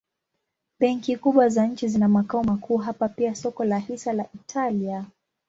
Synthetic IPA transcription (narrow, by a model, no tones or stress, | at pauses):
ɓɛŋkikuɓwazaɲ̩t͡ʃizinamakaɔmakʰuːɦapapiasɔkɔlahisalaʔitʰalia